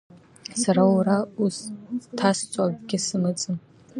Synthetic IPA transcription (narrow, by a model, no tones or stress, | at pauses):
saɾawɾaustʰast͡sʷʼabɡʲɪsɨmɨt͡sʼɨn